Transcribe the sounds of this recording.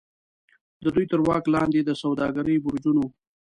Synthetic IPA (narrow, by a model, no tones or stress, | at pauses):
d̪əd̪ujt̪əɾwɑklɑnd̪ed̪əsawd̪ɑɡaɾəjbʊɾd͡ʒuno